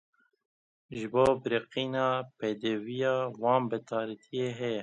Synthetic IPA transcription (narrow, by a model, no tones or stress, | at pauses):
ʒɨboːbɨɾiqiːnɑːpeːd̪ɛvijɑːwɑːnbɨt̪ʰɑːɾit̪ʰijeːɦɛjɛ